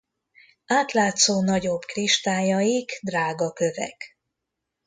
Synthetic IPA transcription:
aːt̪laːt̪soːnɒɟo̞bkriʃt̪aːjɒjiɡd̪raːɡɒkø̞vɛ̰k

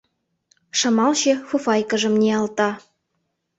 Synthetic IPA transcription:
ʃɤ̆mɑlɕĕfufɑjkɤ̆ʒɤ̆mnʲeɑlt̪ɑ

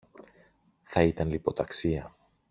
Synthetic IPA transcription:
θɐit̪ɐnlipo̞t̪ɐksiɐ

